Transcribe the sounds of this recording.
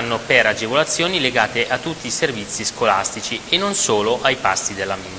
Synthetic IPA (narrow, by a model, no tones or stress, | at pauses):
nːopeɾad͡ʒevolat̪sːjoːnileɡaːt̪eʔat̪ːut̪ːiːservit̪sːiskola̰st̪it͡ʃienːonsoːloʔajpa̰st̪id̪elːamin